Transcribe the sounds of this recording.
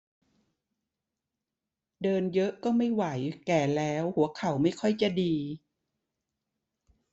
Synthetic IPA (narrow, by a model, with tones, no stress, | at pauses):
dɤː˧njɤ˦˥ʔkɔː˥˩ma˥˩jwa˩˦jkɛː˨˩lɛː˦˥whu˨˩˦ɐkʰa˨˩˦wma˥˩jkʰɔ˥˩jt͡ɕa˨˩diː˧